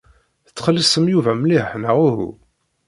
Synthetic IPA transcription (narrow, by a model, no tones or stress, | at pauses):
θət͡sːχəlːisəmjuvæmliħnəʁuɦṵ